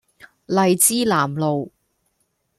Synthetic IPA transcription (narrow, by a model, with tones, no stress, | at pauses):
lɐ˨˧jt͡siː˥laː˨˩mlo˨w